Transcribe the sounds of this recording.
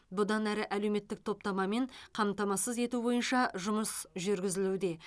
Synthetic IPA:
bʊd̪ɑnæɾɪʔæle̞wme̞t̪ːɪk̚t̪ʰo̞p̚t̪ɑmɑme̞ɴqʰɑmt̪ɑmɑsəze̞t̪ubo̞jənʃɑʒʊməsʒʏɾɡʲɪzɪlud̪e̞

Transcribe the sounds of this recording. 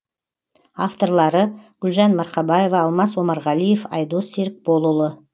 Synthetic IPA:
ɑft̪o̞ɾlˠɑɾəɡ̥ʏlʒɑnmɑɾqɑbɑje̞vɑːlˠmɑswo̞mɑɾʁɑlˠije̞fɑ̰jd̪oseɾk̚bo̞lˠulˠə

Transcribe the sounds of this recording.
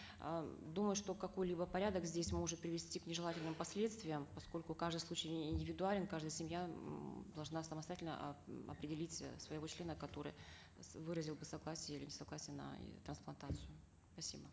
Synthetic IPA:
d̪uməjʊʂt̪o̞kɐko̞jlʲibəpɐɾʲad̪əkzʲdʲesʲmo̞ʐɨt̪̚pɾʲɪvʲɪsʲtʲiknʲɪʐɨlˠatʲɪlʲnɨmpɐsʲlʲe̞t̪st̪vʲɪjəmpɐsko̞lʲkʊkaʐd̪ɨslˠut͡ɕɪjɪnʲdʲɪvʲɪd̪ʊalʲɪnkaʐd̪əjəsʲɪmjad̪ɐlˠʐnasəməst̪ɐjatʲlʲnə̰ʔɐ̰pɾʲɪdʲɪlʲitʲsvəjɪvo̞t͡ɕlʲe̞nəkɐt̪o̞ɾɨ̰j | vɨɾəzʲɪlˠbɨsɐɡlˠasʲɪjəilʲɪnʲɪsɐɡlˠasʲɪjənə̰t̪ɾənsplˠɐnt̪at̪sɨjʊ | pɐsʲibə

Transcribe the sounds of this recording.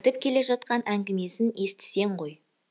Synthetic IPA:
t̪ɪp̚kʲʰe̞le̞ʒɑt̪qɑnʔæŋɡʲɪme̞sɪne̞st̪ɪ̥se̞ɴʁo̞j

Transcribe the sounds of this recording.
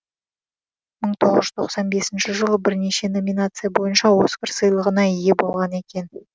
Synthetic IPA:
məɴt̪ʰo̞ʁəʒʏzt̪ʰoqsɑnbe̞sɪnʃɪʒəlˠəbɪɾne̞ʃe̞no̞mʲinat̪sɨjabo̞jənʃɑwo̞skʲɪɾsəjlˠəʁənɑije̞bo̞lˠʁɑne̞kʲe̞n

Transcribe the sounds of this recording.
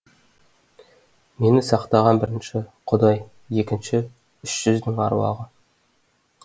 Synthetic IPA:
me̞nɪsɑqt̪ɑʁɑnbɪɾɪnʃɪqʰʊd̪ɑjː | e̞kʲɪnʃɪ | ʏʃʒ̥ʏzd̪ɪŋɑɾwɑ̰ʁə

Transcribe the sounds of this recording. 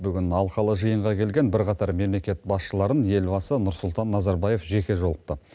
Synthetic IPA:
bʏɡʲɪnɑlˠqɑlˠəʒəjəɴʁɑkʲʰe̞lɡʲe̞nbɪɾqɑt̪ɑɾme̞mle̞kʲe̞t̪̚bɑsʃəlˠɑɾənje̞lbɑsənʊɾsʊlˠt̪ɑnːɑzɑɾbɑje̞fʒe̞kʲe̞ʒo̞lˠəp̚t̪ə

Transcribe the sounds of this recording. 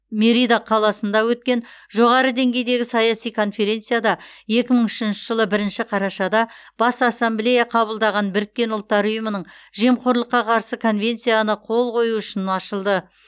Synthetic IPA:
meɾijd̪aqʰɑlˠɑsənd̪ɑwɵt̪̚kʲe̞nʒo̞ʁɑɾəd̪e̞ŋɡʲe̞jd̪e̞ɡʲɪsɑjɑsijkʰo̞nfe̞ɾe̞nt̪sɨjad̪ɑje̞kʲɪməɴʏʃɪnʃɪ̥ʒəlˠəbɪɾɪnʃɪqʰɑɾɑʃɑd̪ɑb̥ɑsɑsːemblʲe̞jaqʰɑβəlˠd̪ɑʁɑnbɪɾɪk̚ʲːe̞nʊlˠt̪ːɑɾʊjəmənəɴʒe̞mqʰoɾlˠəqːɑqʰɑɾsəkʰo̞nvʲe̞nt̪sijanəqʰo̞lˠqʰo̞juʏʃɪnɑʃəlˠd̪ə

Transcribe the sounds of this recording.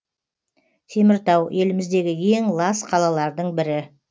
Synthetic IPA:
t̪ʰe̞mɪɾt̪ɑwe̞lɪmɪzd̪e̞ɡʲɪje̞ŋlˠɑsqʰɑlˠɑlˠɑɾd̪əɴbɪɾɪ

